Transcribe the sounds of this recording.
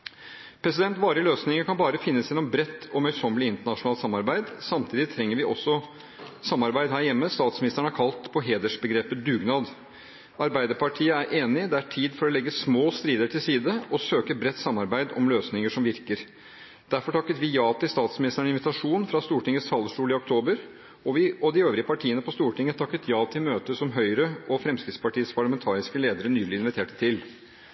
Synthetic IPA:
pʰɾɛsɪd̪ɛnt̪ʋɑːɾəløːsnɪŋəkʰɑnbɑːɾəfɪnːəsjɛnɔmbɾɛt̪ːɔmœʏsɔmːəlɪɪnt̪əɳɑʂʊnɑːlsɑmːɑɾbæɪd̪sɑmt̪ʰiːd̪ɪt̪ʰɾɛŋːəɾʋɪʔɔsːɔ | sɑmːɑɾbæɪd̪ɦæːɾjɛmːəst̪ɑːt̪smɪnɪst̪əɳ̩əæɾkʰɑlt̪pʰɔɦeːd̪əʂbəɡɾeːpəd̪ʉːɡnɑːd̪ | ɑɾbæɪd̪əɾpʰɑʈʰiːəæɾʔeːnɪd̪ɛæʈʰiːd̪fɔɾɔlɛɡːəsmoːst̪ɾiːd̪əʈʰɪlsiːd̪əɔsøːkəbɾɛt̪ːsɑmːɑɾbæɪd̪ɔmløːsnɪŋəʂɔmʋɪɾkəɾ | d̪̥æɾfɔʈʰɑkːət̪ʋɪjɑːt̪ɪlst̪ɑːt̪smɪnɪst̪əɳɪnʋɪt̪ɑʂuːnfɾɑst̪uːʈʰɪŋːəst̪ʰɑlːəʂʈuːlɪɔk̚t̪ʰoːbəɾ | ɔʋɪɔd̪ɪøːʋɾɪəpʰɑʈʰiːənəpɔst̪uːʈɪŋːət̪ʰɑkːət̪jɑːt̪ʰɪlmøːt̪əsɔmɦœʏɾəʔɔfɾɛmskɾɪt̪spɑʈiːəspʰɑɭəmɛnt̪ʰɑːɾɪskəleːd̪əɾənyːlɪɪnʋɪt̪ʰeːʈə̥t̪ʰɪl

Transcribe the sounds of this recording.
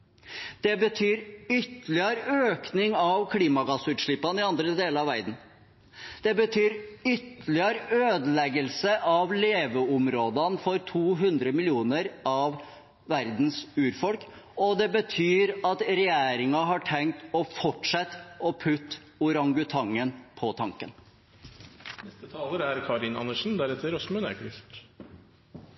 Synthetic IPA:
d̪̥ɛbət̪ʰyːɾʏt̪ːəlɪəɾøːknɪŋɑʋkʰliːmɑɡɑsʉːt̪ʂɭɪpːɑnəɪɑnd̪ɾəd̪eːləɾɑʋæɾd̪n̩ | d̪̥ɛbət̪ʰyːɾʏt̪ːəlɪəɾøːd̪əlɛɡəlsəʔɑʋleːʋəʊmɾoːd̪ənfɔɾt̪ʰuːɦʉnd̪ɾəmɪlɪuːnəɾɑʋː | æɾd̪n̩sʉːɾfɔlkɔd̪ɛbət̪ʰyːɾɑt̪ɾɛjeːɾɪŋɑɦɑʈʰɛŋk̚t̪ɔfɔʈʂɛt̪ːɔpʰʉt̪ː | ʊɾɑŋɡʉt̪ʰɑŋːənpʰɔt̪ʰɑŋkən | nɛst̪ət̪ʰɑːləɾæɾkʰɑɾɪnɑ̰nəʂn̩d̪æɾɛt̪ːəɾɔsmʉnæ̰ɾkʰɾɪft̪

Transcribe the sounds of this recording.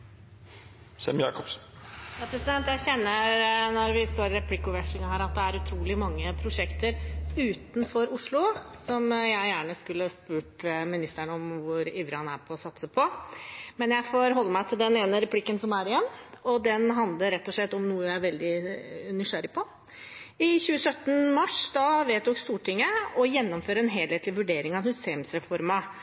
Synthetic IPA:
sɛ̰mjɑ̰ːkɔps | jɑːpʰɾɛsɪd̪ɛnt̪jæɪçɛnːəɾnɔɾʋɪst̪oːɾɪɾɛpʰlɪkːʊʋɛʂlɪŋɑhæːɾɑt̪̚d̪ɛæɾʉt̪ʰɾuːlɪmɑŋːəpʰɾʊʂɛkt̪əɾʉːt̪n̩fɔɾʊʂlʊ | sɔmjæɪjæːɳəskʉlːəspʉːʈmɪnɪst̪əɳəɔmʋʊɾiːʋɾəhɑnæɾpʰɔːsɑt̪səpʰɔmɛnjæɪfɔɾɦɔlːəmæɪt̪ʰɪld̪ɛneːnəɾɛpʰlɪkːənsɔmæɾɪjɛnːɔd̪ɛnɦɑnd̪ləɾɛt̪ːɔʂɭɛt̪ːɔmnuːəjæɪæɾʋɛld̪ɪnɪʂæɾɪpʰɔ | ɪçʉːəsœt̪ːnmɑʂd̪ɑʋeːt̪d̪d̪ɔkst̪uːʈʰɪŋːəɔjɛnːɔmføːɾəɛnɦeːlheːt̪lɪʋʉɖeːɾɪŋɑʋhʉseːmsɾɛfɔɾmɑ

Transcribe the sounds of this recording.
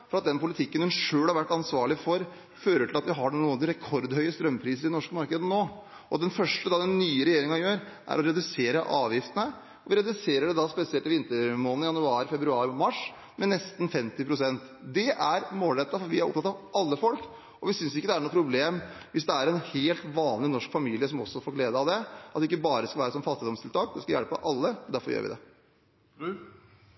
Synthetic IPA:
fɔɾɑt̪̚d̪ɛnpʊlɪt̪ʰɪkːənhʉnʂøːlhɑɾʋæʈːɑnsʋɑːɭɪfɔɾ | føːɾəʈʰɪlɑt̪ʋɪɦɑɖɛnuːənɾɛkʰɔɾd̪hœʏəst̪ɾœmːpʰɾiːsəɾɪd̪ɛnɔʂkəmɑɾkəd̪ənoː | ɔd̪ɛnfœʂʈəd̪ɑd̪ɛnːyːəɾɛjeːɾɪŋɑjøːɾ | ʔæ̰ɾɔɾɛd̪ʉseːɾəʔɑːʋjɪft̪ənə | ɔʋɪɾɛd̪ʉseːɾəɖɛd̪ɑspɛsɪɛlt̪ɪʋɪnt̪əɾmoːln̩jɑnʉɑːɾfɛbɾʉɑːɾmɑʂ | mɛnɛst̪nfɛmt̪ɪpʰɾʊsɛnt̪ | d̪ɛʔæɾmoːlɾɛt̪ːɑfɔɾʋɪæɾɔp̚t̪ʰɑt̪ɑʋʔɑlːəfɔlk | ɔʋɪsʏnsjʊɪkːəd̪ɛæɳuːpʰɾʊbleːm | ʋɪsd̪ɛæɾɛnheːlt̪ʋɑːnlɪnɔʂkfɑmiːlɪəsɔmɔsːɔfoːɾleːd̪əɑʋd̪ɛɑt̪ɪkːəbɑːɾəskɑʋæːɾəsɔmfɑt̪ːɪd̪ɔmst̪ʰɪlt̪ʰɑːk̚d̪ɛskɑjæ̰lpə̰ʔɑlːəd̪æɾfɔɾjø̰ːɾʋɪ̰d̪ɛ̰

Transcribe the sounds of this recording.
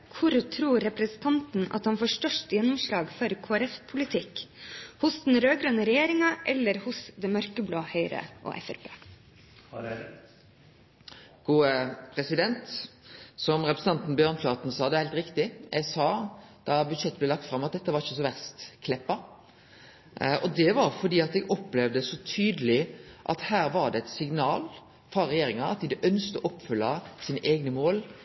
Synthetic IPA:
kʰʊɾt̪ʰɾuːɾɛpɾɛsn̩t̪ʰɑnt̪n̩ɑ̰t̪hɑnfoːʂʈœʂtjɛnːʊmʂlɑːɡfɔɾkʰoːæɾɛfpʰʊlɪt̪ʰɪkhʊsd̪nɾøːɡɾʉnəɾɛjeːɾɪŋɑʔɛlːəɾhʊsd̪ɛmœɾkəbloːhœʏɾə̰ʔo̰ːʔɛ̰fæ̰ɾpʰeː | ɡ̥uːəpʰʁɛsɪd̪ɛnt̪ | sɔmɾɛpɾəsn̩ɑnt̪n̩bjøːʁnflɑt̪n̩sɑːd̪ɛɾhæɪlt̪ɾɪkt̪ɪjʔæɛɪsɑːd̪̥ɑbʉd̪ʃɛt̪ːblɛlɑkt̪fɾɑmːɑt̪̚d̪ɛt̪ːəʋɑɾɪçːəsɔʋæʁst̪kʰlɛpːɑ | ʔɔd̪ɛʋɑɾfɔd̪iːɑt̪ɛɡɔpːlɛʋd̪əsɔt̪ʰyːd̪əlɪʔɑ̰t̪hæːɾʋɑɾɖ̪ɛɛt̪sɪɡnɑːl | fɾɑɾɛjeːɾɪŋɑɑt̪̚d̪ɪd̪ɛʔœnst̪əʔɔpːfʏlːɑsiːnəʔeːɡnəmoːl

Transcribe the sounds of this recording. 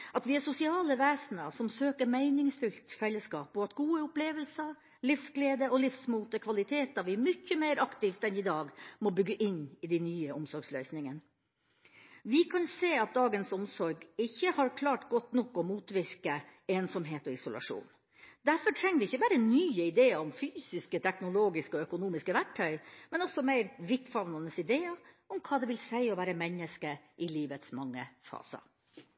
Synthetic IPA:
ʔɑt̪ʋɪæsʊsɪɑːləʋeːsnəsɔmsøːkəɾmæɪnɪŋsfʉlt̪fɛlːəskɑːp̚boːɑt̪ɡuːəʊpleːʋəlsə | lɪfsɡleːd̪əɔlɪfsmuːt̪əkʰʋɑlɪt̪ʰeːt̪̚ɑʋɪmʏçːəmeɪɾʔɑkt̪ɪːft̪ɛnɪd̪ɑːɡmɔbʏɡːəʔɪnːɪd̪ɛɪnyːəʔʊmsɔɾɡslœʏsnɪŋən | ʋɪkʰɑnseːɑt̪̚d̪ɑːɡənsɔmsɔɾɡɪçːəhɑɾkʰlɑːʈɡɔt̪nɔkːɔmuːt̪ʋɪɾkəeːnsɔmɦeːt̪ɔɪsʊlʔɑ̰ʂṵːn | d̪æɾfɔʈʰɾɛŋːʋɪɪçːəbæːɾənyːəɪd̪eːəɾɔmfyːsɪskət̪ʰɛknʊloːɡɪskəɔœkʊnuːmɪskəʋæʈʰːœʏmɛnɔsɔmæɪɾʋɪt̪fɑʋnɑnəsɪd̪eːɑ | ɔmkʰɑːd̪ɛʋɪlsæɪɔʋæːɾəmɛnːəskəʔɪliːʋət̪smɑŋːəfɑ̰ːsə̰

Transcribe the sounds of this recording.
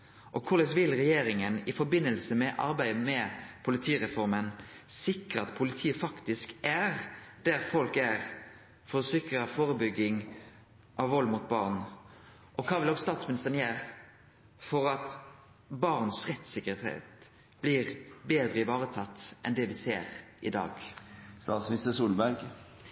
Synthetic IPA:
ʔɔkʰʊɾlɛsʋɪlʁɛjeːɾɪŋənɪfɔɾbɪnːəlsəmɛʔɑ̰ɾbæɪmɛpʰʊlɪt̪ʰiːʁɛfɔɾmənsɪkɾəɑt̪pʰʊlɪt̪ʰiːəfɑkt̪ɪskæʁd̪̥æɾfɔlkæʁ | fɔɾɔsɪkɾəfoːɾəbʏɡːɪŋ | ʔɑʋʋɔlmʊt̪̚bɑʁn | ʔɔkʰɑːʋɪlɔɡst̪ɑːt̪smɪnɪst̪əʁnjæːʁ | fɔɾɑt̪ | bɑʁnsʁɛt̪sɪkəɾhḛːt̪ | b̥lɪʁbeːd̪ɾəɪʋɑːɾət̪ʰɑt̪ːʔɛnd̪ɛʋɪsḛːɾɪd̪ɑ̰ːɡst̪ɑːt̪smɪnɪst̪əsuːlbæɾɡ

